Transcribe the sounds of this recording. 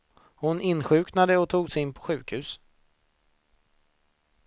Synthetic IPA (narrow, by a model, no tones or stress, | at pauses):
hʊnɪnːɧʉ̟ːknad̪əɔt̪ʰuːɡsɛɪnpʰɔ̥ɧʉ̟ːkhʉ̟ːs